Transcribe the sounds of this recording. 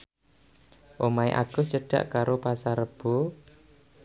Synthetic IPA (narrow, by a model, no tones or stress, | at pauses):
ʔomaḛʔa̰ɡ̥ʊst͡ʃəɖ̥a̰ʔkaɾopasaɾəb̥o̤